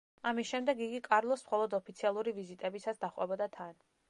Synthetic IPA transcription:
amisʃɛmd̪ɛɡiɡikʼaɾlˠɔsmχɔlˠɔd̪ɔpʰit̪sʰialˠuɾivizit̪ʼɛbisasd̪aχwɛ̰bɔd̪at̪ʰan

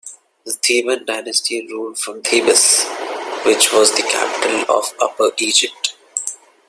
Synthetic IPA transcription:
ət̪ʰiːʋə̃nɖaɪnəsʈiɾuːlfɾɔ̃mt̪ʰiːbəs | ʋɪt͡ʃʋɔːzd̪əkʰæ̰pɪ̥ʈəlɔ̰ːʋʌpəɾʔiːd͡ʒɪp̚ʈ

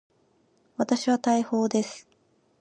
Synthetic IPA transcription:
βat̪aɕiβat̪aiho̞ːd̪e̞sɨ̥

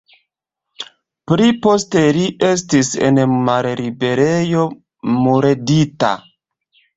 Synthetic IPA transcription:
pɾipo̞ste̞liʔe̞s̬tise̞̰nmaɾlibe̞ɾejo̞ | muɾedita̰

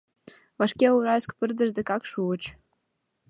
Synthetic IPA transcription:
vɑʃkʲeuɾɑjskpərd̪ə̆ʒd̪ĕkɑkʃuət͡ɕ

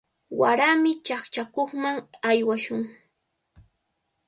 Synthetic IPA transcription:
waɾamɪt͡ʃaχt͡ʃakoχmaŋajwaʃʊŋ

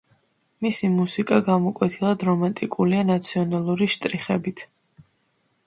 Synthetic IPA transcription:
misimusikʼaɡamɔkʼwɛt̪ʰilˠad̪ɾɔmant̪ʼikʼulianat̪sʰiɔnalˠuɾiʃt̪ʼɾiχɛbit̪ʰ

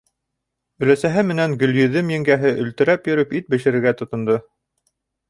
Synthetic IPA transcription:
ɵ̆læsæɦɘmɘ̆næŋɡɵ̆ljɵ̆ðɘmjɘ̆ŋɡæɦɘʔɵ̆lt̪ɘ̆ɾæpjɵ̆ɾɵpit̪̚bɘ̆ʃɘ̆ɾɘ̆ɾɡæt̪ŏt̪ŏnd̪ɤ

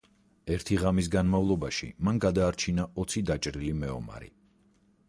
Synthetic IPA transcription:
ɛɾt̪ʰiʁamis̬ɡanmavlˠɔbaʃḭmanɡad̪aːɾt͡ʃʰinaʔɔt̪sʰid̪at͡ʃʼɾilimɛɔ̰ma̰ɾḭ

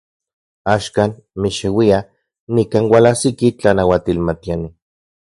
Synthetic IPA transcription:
aʃkaːn | miʃewia | nikaːnwalasikit͡ɬanawat̪ilmat̪iani

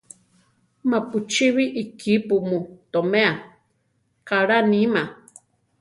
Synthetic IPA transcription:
maput͡ʃiβiʔikʰipumũt̪omẽa | kaɾanĩma

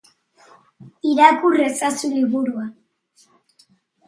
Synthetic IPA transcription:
iɾakuresasuliβuɾua

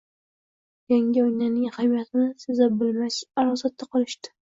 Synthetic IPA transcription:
jaŋʲɪojnanɪŋhamijat̪ʰɪnɪsɪzabɪlmaʃaɾɒsat̪ʰːaqʰɨlˠɪʃt̪ɪ̥

